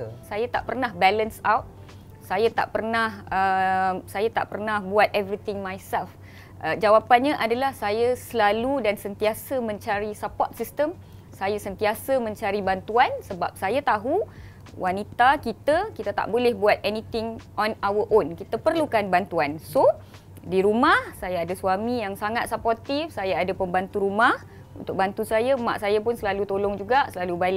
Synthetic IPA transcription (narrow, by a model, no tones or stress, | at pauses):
sajat̪aʔpərnahbɛlənsawt̪̚ | sajat̪a̰ʔpərnahəmsajat̪a̰ʔpərnahbuat̪̚ɛvɾit̪ɪ̃ŋmajsɛlf | ʔəd͡ʒawapanɲaʔadalahsajasəlaludansənt̪iasəmə̃ɲt͡ʃaɾisəpɔrt̪̚sist̪əm | sajasənt̪iasəmə̃ɲt͡ʃaɾibant̪uansəba̰p̚sajat̪aɦu | wʔanit̪akit̪akit̪at̪a̰ʔbolɛhbuat̪̚ɛnĩt̪ɪŋɔnawəʔonkit̪əpərlukanbant̪uanso | diɾumahsajaadasuwamijaŋsaŋat̪̚sapɔrt̪ifsajaadapəmbant̪uɾumah | ṵnt̪ʊk̚bant̪usajama̰ʔsajap̬ʊnsəlalut̪olɔŋd͡ʒuɡaʔsəlalubalɪ